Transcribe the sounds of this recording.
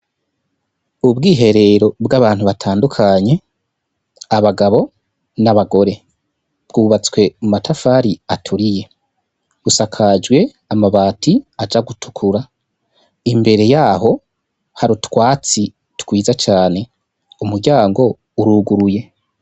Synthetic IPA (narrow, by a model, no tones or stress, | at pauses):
ubɡiːɦe̞ɾe̞ɾo̞bɡaβaːn̥huβatʰaːndukʰaɲe̞ | aβaɡaβo̞ | naβaɡo̞ɾe̞ | b̥ɡuːβat͡skwe̞mumatʰafaːɾiatʰuɾije̞ | usakʰad͡ʒɡwe̞ | amaβaːtiad͡ʒaɡutʰu̥kʰuɾa | imbe̞ɾe̞jaːɦo̞ | haɾutwaːt͡si | tkwiːzat͡ʃaːne̞ | umuɾɟaːŋɡo̞ | uɾuːɡuɾuje̞